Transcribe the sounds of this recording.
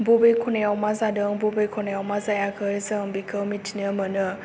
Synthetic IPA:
bobekʰɔnejawmazadɯŋbobejkʰɔnejawmazajakʰɯzɯŋbikʰɯwmitʰinəmɯnɯ

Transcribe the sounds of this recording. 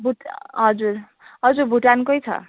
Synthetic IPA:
bʱuʈɦʌd͡zuɾ | ɦʌd͡zuɾbʱuʈankojt͡sʰʌ̰

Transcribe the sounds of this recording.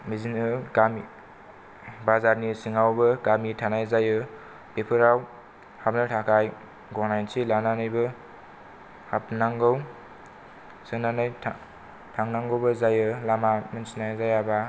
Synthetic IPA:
mizinɯɡami | bazaɾnisiŋawbɯɡamitʰanajzajɯ | pepʰɯɾaw | hap̚nɯtʰakʰaj | ɡɔnajnsilananɯjbɯ | hapnaŋɡow | sɯnanajʰ | tʰaŋnaŋɡɯwbɯzajɯlamamɯnsinajzajaba

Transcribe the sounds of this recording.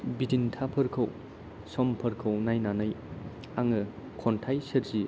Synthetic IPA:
bidintʰapʰɯɾkʰɐw | sɔmpʰɐɾkʰɐwnajnanɯj | aŋɯ | kʰɔntʰajseɾzi

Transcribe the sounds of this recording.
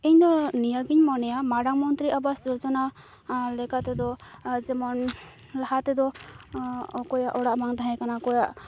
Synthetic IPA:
iɲd̪ɔnijaɡiɲmɔnɛjamaɖaŋmɔnt̪ɾiʔabasd͡ʒɔɾd͡ʒɔna | lɛkat̪ɛd̪ɔd͡ʒɛmɔn | laɦat̪ɛd̪ɔ | ɔkɔjaʔɔɽaʔmaŋt̪aɦɛ̃kanakɔjaʔ

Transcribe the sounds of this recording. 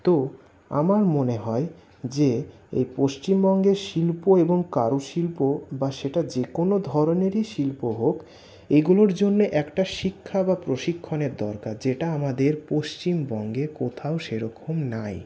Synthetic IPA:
t̪o | a̰maɾmoneɦɔe | d͡ʑe | ḛjpoʃt͡ɕimbɔŋɡeɾʃilpoeboŋkaɾuʃilpobaʃeʈad͡ʑekonod̪ʱɔɾoneɾiʃilpoɦok | eɡuloɾd͡ʑonːeʔɛkʈaʃikʰːabapɾoʃikʰːoneɾd̪ɔɾkaɾd͡ʑeʈaamad̪eɾpoʃt͡ɕimbɔŋɡekot̪ʰaoʃeɾɔkʰomnaj

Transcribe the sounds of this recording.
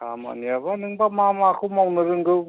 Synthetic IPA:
kʰa̰ma̰niabanɯŋbamamakʰɯmawnɯɾɯŋɡɯw

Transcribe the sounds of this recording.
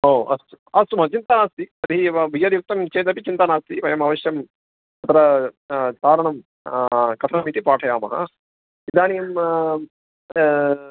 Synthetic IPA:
ɦoːɐ̰st̪u | ɐst̪umɦɐt͡ʃint̪ɐnaːst̪iɐd̪ʱiʋijɐɾjuk̚t̪ɐmt͡ʃeːt̪ɐpit͡ʃint̪ɐnaːst̪iʋɐjɐmɐʋɐʃjɐm | ɐt̪ʰɐɾɐ | t̪aːɾɐɳɐm | kɐt̪ʰɐnɐmit̪ipaːʈʰɐjaːmɐɦɐ̰ | id̪aːnijɐm

